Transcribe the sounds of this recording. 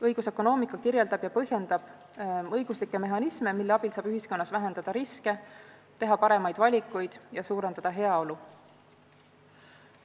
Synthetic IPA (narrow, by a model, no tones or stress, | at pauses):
ɤjɡ̥use̞kːˑo̞no̞ːmikːˑɑkiɾje̞ld̪ɑb̥jɑpɤɦje̞nd̪ɑb̥ | ɤjɡ̥uslikːˑe̞me̞ɦɑnisme̞milːe̞ɑb̥ilsɑːb̥yɦisko̞nːɑsvæɦe̞nd̪̥ɑd̪̥ɑɾiske̞t̪e̞ɦɑpɑɾe̞mɑjd̪̥vɑlʲikːˑujd̪̥jɑsuːɾe̞nd̪̥ɑd̪̥ɑɦe̞ɑo̞lu